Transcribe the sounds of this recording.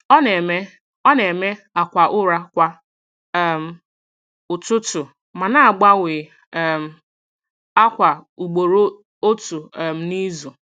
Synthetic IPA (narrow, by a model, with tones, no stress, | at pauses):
ɔ˦ne˨me˦ | ɔ˦ne˨me˦ | a˨kʷa˨ʔʊ˦ɾa˦kʷa˦ | m̩˨ | ʊ˨tʊ˦tʊ˨ | ma˨na˦a˨ɡ͡ba˦wɪ˨ | m̩˨˦ | a˦kʷa˨u˨ɡ͡bo˨ɾo˦ | o˦tu˨m̩˦ni˦zu˨